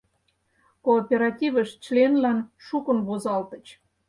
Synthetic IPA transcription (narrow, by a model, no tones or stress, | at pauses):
koːpʲeɾɑtʲivə̆ʃt͡ɕlenlænʃukə̆nβozɑlt̪ə̆t͡ɕ